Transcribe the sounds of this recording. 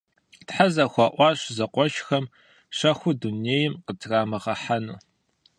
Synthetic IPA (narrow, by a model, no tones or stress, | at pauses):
tħazɐxʷɑʔʷɑːɕzɐqʷɔʃxɐm | ʃɐxʷʊduneːjɪmqətʰraːmɐʁɐħanuː